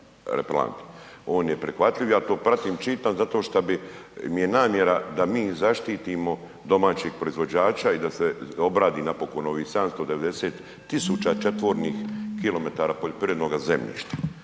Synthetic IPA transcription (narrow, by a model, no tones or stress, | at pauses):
ɾḛpla̰nt̪o̞ːnjepɾixʋat̪lʎiʋjaːt̪o̞ːpɾat̪iːmt͡ʃit̪anzat̪o̞ːʃt̪abimijenaːmje̞ɾad̪amiːzaʃt̪iːt̪imo̞ | d̪o̞maːt͡ɕiɡ̚pɾo̞izʋo̞d͡ʑaːt͡ʃaid̪aseo̞bɾaːd̪iːnapo̞ko̞no̞ʋiːhsed̪amst̪o̞d̪eʋe̞d̪e̞seːt̪ːisuːt͡ʃat͡ʃe̞t̪ʋo̞ɾniːxkilo̞me̞t̪aːɾaːpo̞ʎo̞pɾijed̪no̞ɡaze̞mʎḭːʃt̪ḁ